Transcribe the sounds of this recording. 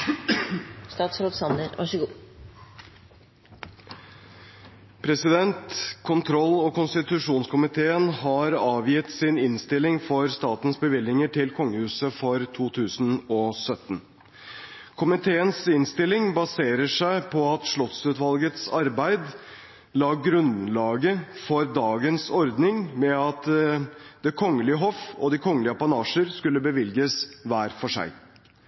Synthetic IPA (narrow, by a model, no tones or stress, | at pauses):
st̪ɑːt̪sɾot̪sɑnəɾʋɑ̰ʂəɡuː | pʰɾɛsɪd̪ɛnt̪kʰʊnt̪ʰɾɔlːɔkʊnst̪ɪt̪ʉʂuːnskʊmɪt̪ʰeːənhɑɾɑːʋjɪt̪sɪnɪnst̪ɪlɪŋfɔɾst̪ɑːt̪n̩sbəʋɪlːɪŋəʈʰɪlkʰɔŋːəhʉːsəfɔɾt̪ʰuːt̪ʰʉːsn̩ɔsœt̪n | kʰʊmɪt̪ʰeːənsɪnst̪ɪlːɪŋbɑseːɾəʂæɪpʰɔɑt̪ʂɭɔt̪sʉːt̪ʋɑlɡət̪sɑɾbæɪd̪ | lɑːɡɾʉnlɑːɡəfɔɾd̪ɑːɡənsɔɾd̪nɪŋmɛɑt̪ | d̪̥ɛkʰɔŋːəlɪəɦɔfɔd̪ɪkʰɔŋːəlɪəpɑnɑːʂəɾskʉlːəbəʋɪlɡəsʋæːɾfɔʂæ̰ɪ